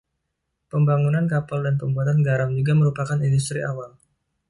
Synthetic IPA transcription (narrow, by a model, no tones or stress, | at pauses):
pəmbaŋunankapaldanpəmbuat̪anɡaɾamd͡ʒuɡaməɾupakanindus̬t̪ɾiʔawal